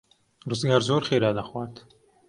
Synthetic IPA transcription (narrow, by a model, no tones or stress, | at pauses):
rɨzɡaːɾzoːɾχeːɾaːd̪axwaːt̪